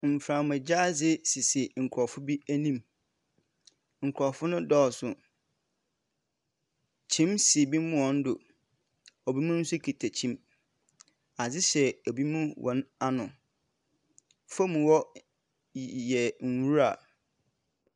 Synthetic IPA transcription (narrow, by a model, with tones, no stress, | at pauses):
m̩˨fɾã˨mɛ̃˨d͡ʑaː˦zɪ˦sɪ˨sɪ˨ŋ̩˨kʰɾɔ˨fʊ˦bi˦æ˦nĩ˦m | ŋ̩˨kʰɾɔ˨fʊ˦nʊ̃˦dɔː˦˨sʊ˨ | t͡ɕʰĩ˦msi˨bi˦mũ˦ɔ̃˨˦n̩˦dʊ˨ | o˨bi˦mũ˦n̩˦sʊ˦kʰi˨tʰæ˨t͡ɕʰĩ˦m | a˨zɪ˦ɕɛ˨o˨bi˦mũ˦wʔɔ̰̃˨˦na˦nʊ̃˨ | fo˦mũ˨wɔ˦ | jɛ˨n̩˨wu˦ɾa˨